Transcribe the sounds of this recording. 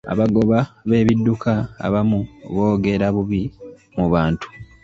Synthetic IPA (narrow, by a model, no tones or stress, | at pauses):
a̰βaɡo̞βaβe̞ːβidːukʰa̰ːβamuβo̞ːɡe̞ɾaβuβi | muβaːntu̥